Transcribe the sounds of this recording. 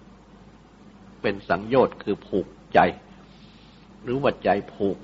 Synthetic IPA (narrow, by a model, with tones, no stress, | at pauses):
pe˧nsa˩˦ŋjoː˧˩t̪̚kʰɯː˧pʰuː˨˩k̚t͡ɕa˧j | ɾɯː˩˦wa˨˧˩t̪̚t͡ɕa˨˧jpʰuː˨˩k̚